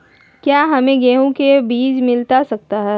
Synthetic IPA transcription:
kjaːɦɐmẽɡɛːɦõkebiːd͡ʒmɪlt̪asɐk̚t̪aɦɛː

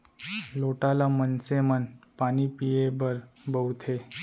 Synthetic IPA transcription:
loʈalamənsemənpañipijebəɾbəwt̪ʰe

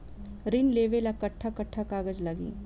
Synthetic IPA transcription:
ɾɪnleːʋelakɐʈʰːakɐʈʰːakaːɡəd͡ʒlɐɡḭː

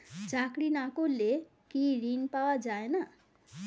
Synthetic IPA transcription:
t͡sakɽinakolːe | kiɾinpawad͡ʒaena

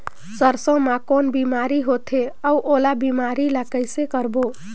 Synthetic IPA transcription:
səɾsə̃makonbimaɾiɦot̪ʰeəuʔolabimaɾiləkəjsekəɾbo

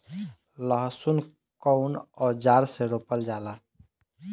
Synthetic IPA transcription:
ləɦsun | kɔwnɔd͡ʒaɾseɾopəld͡ʒaːla

